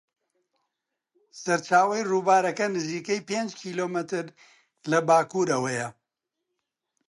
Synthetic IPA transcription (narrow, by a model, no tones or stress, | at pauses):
sɐɾt͡ʃaːwɐjruːbaːɾɐkɐnɨziːkɐjpeːnd͡ʒkʰiːloːmɨt̪ɨɾ | lɐbaːkuːɾɐwɐjɐ